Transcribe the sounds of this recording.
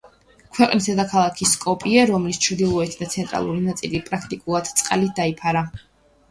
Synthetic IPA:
kʰwɛqʼnisɛd̪akʰalˠakʰiskʼɔpʼiɛɾɔmlist͡ʃʰɾd̪ilˠɔɛt̪ʰd̪at̪sʰɛnt̪ʼɾa̰lˠuɾinat̪sʼḭlipʼɾakʰt̪ʼikʼulˠad̪̥t̪sʼqʼa̰lid̪aipʰaɾa

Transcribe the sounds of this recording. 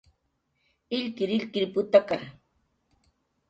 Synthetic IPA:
ɪʎkɪɾɪʎkɪɾpʊt̪aka

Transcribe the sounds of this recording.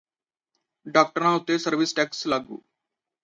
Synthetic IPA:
ɖaːk̚ʈəɾãːʊt̪ːeːsəɾʋɪsʈɛːkslaːɡṵː

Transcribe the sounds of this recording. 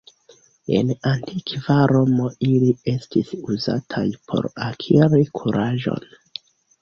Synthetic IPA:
e̞̰nantʰikvaɾo̞moʔilie̞stisuza̰tʰajpʰo̞̰ɾakʰiɾikʰuɾʔaʒo̞̰n

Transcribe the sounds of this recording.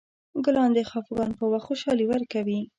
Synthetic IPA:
ɡʊlɑnd̪exɑfɡɑnpəwaxxoʃɑliwəɾkawi

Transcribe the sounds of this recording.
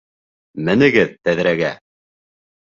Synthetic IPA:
mɘ̆nɘ̆ɡɘðt̪æðɾæɡæ

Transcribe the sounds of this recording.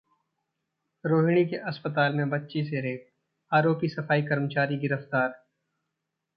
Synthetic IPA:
ɾoːɦɽ̃ikeʔɐspət̪̬aːlmẽbɐtːʃis̬eɾeːk̚ | aːɾoːpisɐfaːikɐɾmt͡ʃaːɾiɡɪɾəft̪aːɾ

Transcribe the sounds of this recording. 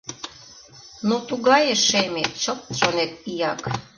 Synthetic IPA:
nut̪uɡɑjeʃejmʲet̪t͡ʃot̪t͡ɕonʲet̪̚pijɑk

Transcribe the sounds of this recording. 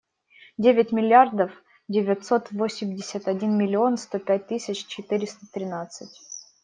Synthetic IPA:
dʲevʲɪtʲmʲɪlʲɪard̪əf | dʲɪvʲɪt̪so̞t̪vosʲɪmʲdʲɪsʲət̪ɐdʲinmʲɪlʲɪo̞nst̪o̞pʲæt̚ʲt̪ɨsʲɪt͡ɕt͡ɕɪt̪ɨɾʲɪst̪ət̪ɾʲɪnat̪sɨtʲ

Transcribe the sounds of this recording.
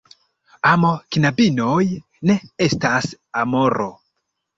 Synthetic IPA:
amo̞knabino̞j | ne̞e̞stas | amo̞ɾo̞̰

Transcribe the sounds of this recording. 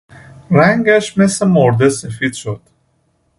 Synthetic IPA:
ɾæŋɡæʃmesemoɾd̪esefid̪ʃod̪̥

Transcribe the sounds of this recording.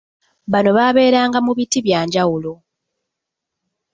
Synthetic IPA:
βano̞βaβe̞ːɾaːŋɡamuβitiβjaːɲɟawulo̞

